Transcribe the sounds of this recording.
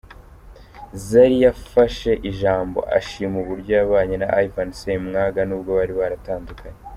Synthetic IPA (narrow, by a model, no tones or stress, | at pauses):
zaɾijafaʃe̞ʔiʒaːmbo̞̰ʔa̰ʃimuβuɾɟojaβaːɲenaʔajvansemŋaɡanuːb̚ɡo̞βaɾiβaɾataːndukʰaɲe